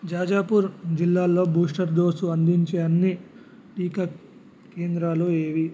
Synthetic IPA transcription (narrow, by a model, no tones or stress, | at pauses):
d͡ʒaːd͡ʒaːpuːɾd͡ʒilːaːlːo̞ːbuːʂʈɐɾd̪oːsuɐnd̪iɲt͡ʃeɐnːi | ʈiːkɐ | keːnd̪ɾaːloːeːʋi